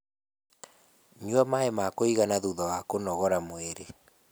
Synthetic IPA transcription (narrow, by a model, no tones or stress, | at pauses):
ɲwamaemakoiɣanaðuðɔwakonɔɣɔɾamweɾe